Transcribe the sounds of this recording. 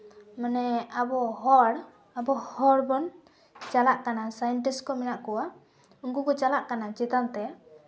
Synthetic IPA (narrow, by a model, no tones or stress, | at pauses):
manɛabɔɦɔɽ | abɔhɔɽbɔn | t͡ʃalaʔkanasajɛɳʈiskɔmɛnaʔkɔwa | uŋkukɔt͡ʃalaʔkanat͡ʃɛt̪ant̪ɛ